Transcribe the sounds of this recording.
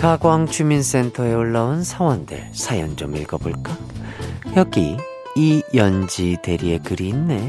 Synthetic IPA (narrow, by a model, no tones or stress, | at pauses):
kaɡwaŋt͡ɕumins͈e̞ntʰʌe̞oɭːaunsʰaŋwandɯ̰ɭsʰajʌnd͡ʑʌmiɭɡʌbuɭk͈ak̚jʌɡi | ijʌnd͡ʑite̞ɾie̞kɯɾiːnːe